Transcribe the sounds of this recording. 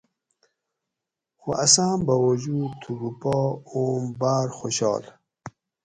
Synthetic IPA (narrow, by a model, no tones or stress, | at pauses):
xuʔɐsaːmbawud͡ʑuːd̪t̪ʰuɡupɔːoːmbaːɾxoɕɑ̰ːl